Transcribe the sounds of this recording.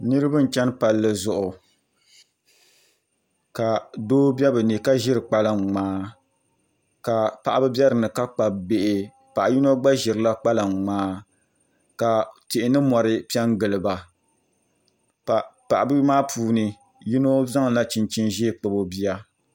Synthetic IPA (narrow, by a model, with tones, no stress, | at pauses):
nɨ˦ɾɨ˦bɨ˦n̩˨t͡ʃɛ˦npa˨lːɨ˦zʊ˨ʔʊ˨ | ka˨doː˦bɛ˦bɨ˨ni˨ka˦ʒɪ˦ɾɨ˨k͡pa˦la˨ŋ͡maː˦ | ka˨pa˨ʔa˦bɨ˦bi˦ɛ˦ɾɨ˨nɨ˨ka˦k͡pa˨bbe˦ʔɪ˨ | pa˨ʔa˨ji˦no˦ɡ͡ba˦ʒɪ˨ɾɨ˨la˦k͡pa˦la˨ŋ˨ŋ͡maː˦ | ka˨tɪ˨ʔɪ˨nɨ˦mɔ˨ɾɨ˦pi˦ɛ˦ŋɡɨ˨lɨ˨ba˨ | pa˨ʔa˨bɨ˦maː˦pʰuː˦nɨ˨ | ji˦no˦za˦ŋ˨la˦t͡ʃɪ˨nt͡ʃi˦nʒeː˦k͡pɨ˨bo˦bi˦ja˦